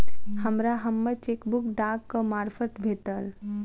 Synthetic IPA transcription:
həmɾaɦəmːəɾt͡ʃekbukɖaɡkːəmaːɾfʰət̪bʱeːt̪əl

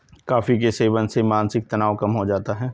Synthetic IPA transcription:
kaːfik̬eseːʋənsemaːnsɪk̚t̪ɐnaːʋkɐmɦod͡ʒaːt̪aɦɛː

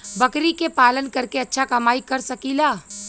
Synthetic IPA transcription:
bɐkɾikepaːlənkɐɾkeɐtːʃʰakɐmaːikɐɾsɐkilaː

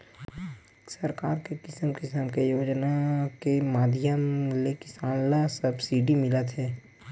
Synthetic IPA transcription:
səɾkaːɾkekɪsəmkɪsəmkejoːd͡ʒnakemaːd̪ʱjəmlekɪsaːnlasəbsiːɖimɪlat̪ʰɛː

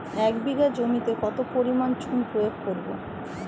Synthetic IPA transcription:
ɛkbiɡad͡ʑomit̪ekɔt̪opoɾimant͡ɕʰunpɾojoɡ̚koɾbo̰

